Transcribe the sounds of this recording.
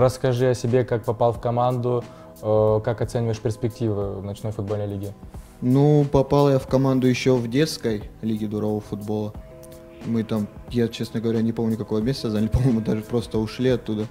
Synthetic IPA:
ɾəskɐʐɨɐsʲɪbʲekak̚pɐpalˠfkɐmand̪ʊ | əkakɐt̪sɛnʲɪvəjɪʂpʲɪrsʲpʲɪktʲivɨvnɐt͡ɕno̞jfʊd̪̚bolʲnəjlʲiɡʲɪ | nupɐpalˠjafkɐmand̪ʊjɪɕːovdʲet̪skəjlʲiɡʲɪd̪ʊɾɐvovəfʊd̪bo̞lˠə | mɨt̪amjat͡ɕesnəɡəvɐɾʲanʲɪpo̞mnʲʊkɐko̞vəmʲesʲt̪əzanʲɪlʲɪpɐmojmʊd̪aʐɨpɾo̞st̪əʊʂlʲiɐt̪ːud̪ə

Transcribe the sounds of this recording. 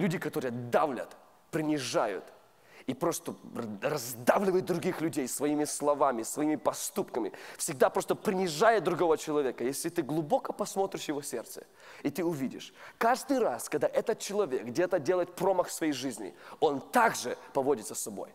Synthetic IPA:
lʲudʲɪkɐt̪o̞ɾɨjəd̪avlʲə̰t̪ | pɾʲɪnʲɪʐajʊ̰t̪ | ipɾo̞st̪ərɐzd̪avlʲɪvəjʊt̪̚d̪ɾʊɡʲixlʲʉdʲejsvɐimʲɪslˠɐvamʲɪsvɐimʲɪpɐst̪upkəmʲɪ̰fsʲɪɡ̚d̪apɾo̞st̪əpɾʲɪnʲɪʐajɪt̪̚d̪ɾʊɡo̞vət͡ɕɪlˠɐvʲekəjesʲlʲɪt̪ɨɡlˠʊbo̞kəpɐsmo̞t̪ɾʲɪʂjɪvo̞sʲe̞̰rt̪sə̰ | it̪ɨʊvʲidʲɪ̰ʂkaʐd̪ɨjraskɐɡ̚d̪aʔɛt̪ət̪̚t͡ɕɪlˠɐvʲe̞kdʲet̪ədʲe̞lˠəjɪt̪̚pɾo̞məxfsvɐjejʐɨzʲnʲɪ̰o̞nt̪aɡʐɨpɐvo̞dʲɪt̪səsɐbo̞̰j

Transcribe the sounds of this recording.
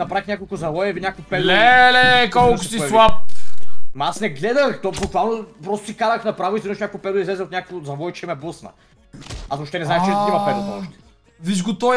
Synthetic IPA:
nɐpɾaixɲʲakolˠkʊzɐvɔjɛviɲʲakvʊpɛdɛlɛkɔlˠkkossiɛlˠap̚ | mɐasnɛɡlɛd̪əxt̪ɔbukvalˠnopɾɔst̪ʊsikanəxnɐpɾavʊisʲinoʃnʲakʊʊpɛd̪izlɛzɛot̪nʲakəkvozɐvɔjt͡ʃɛmɛpusnə̰ | azvoʃt̪ɛnɛznaɛʃt͡ʃɛɛimɐpɛd̪ʊɔʃt̪ɛ̥ | viʃɡot̪ɔ

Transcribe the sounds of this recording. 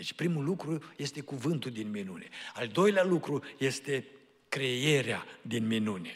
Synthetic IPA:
et͡ʃʲpɾimulukɾuje̞st̪e̞kuvɨnt̪uld̪inminuneald̪o̞jlealukɾuje̞st̪e̞ | kɾe̞je̞ɾea̰d̪inminune

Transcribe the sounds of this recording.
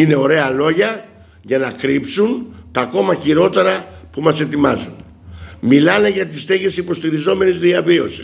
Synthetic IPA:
ine̞o̞ɾe̞ɐlo̞ʝɐ | ʝɐnɐkɾipsunt̪ɐːko̞mɐçiɾo̞t̪e̞ɾɐpumɐse̞t̪imɐzun | milɐne̞ʝɐt̪ist̪eʝe̞sipo̞st̪iɾizo̞me̞nizðiɐvio̞si̥s

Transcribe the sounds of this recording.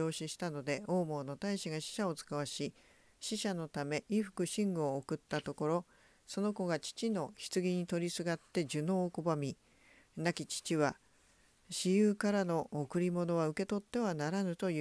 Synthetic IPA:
o̞ːɕiɕi̥t̪ano̞d̪e̞o̞ːmo̞ːno̞t̪aiɕiɡaɕi̥ɕao̞t͡sɨ̥kaβaɕi | ɕiɕano̞t̪ame̞ʔiɸɯ̟̥kɯ̟ɕĩŋɡɯ̟oːkɯ̟t̪ːat̪o̞ko̞ɾo̞ | so̞no̞ko̞ɡat͡ɕi̥t͡ɕino̞çi̥t͡sɨɡʲiɲ̟it̪o̞ɾʲisɨɡat̪ːe̞d͡ʑɨno̞ːko̞bamʲi | nakʲit͡ɕi̥t͡ɕiβa | ɕijɯːkaɾano̞ːkɯ̟ɾʲimo̞no̞βaɯ̟ke̞t̪o̞t̪ːe̞β̞anaɾanɯ̟t̪o̞jɯ

